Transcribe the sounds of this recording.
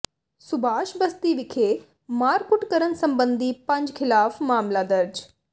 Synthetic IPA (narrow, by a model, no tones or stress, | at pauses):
sʊbʱaːʃbɐst̪iʋɪkʰeː | maːɾkʊʈkəɾənsɐ̃mbə̃nd̪ʱipɐ̃ɲd͡ʒkʰɪlaːfmaːmlad̪ɐɾd͡ʒ